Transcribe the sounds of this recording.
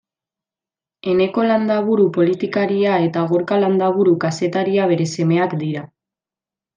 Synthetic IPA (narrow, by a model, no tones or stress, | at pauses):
e̞ne̞ko̞land̪aβuɾupo̞lit̪ikaɾiae̞t̪aɣ̞oɾkaland̪aβ̞uɾukase̞t̪aɾiaβ̞e̞ɾe̞se̞me̞akd̪iɾa